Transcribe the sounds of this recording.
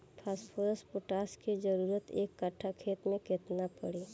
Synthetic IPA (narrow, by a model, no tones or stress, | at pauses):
pʰaːspʰoːɾəspoʈaːskid͡ʒəɾuːɾət̪ḛːkːəʈʰakʰeːt̪mẽkɪt̪napəɽi